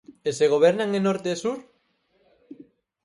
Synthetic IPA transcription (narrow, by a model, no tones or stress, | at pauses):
eseɣ̞oβ̞eɾnaŋenoɾt̪esuɾ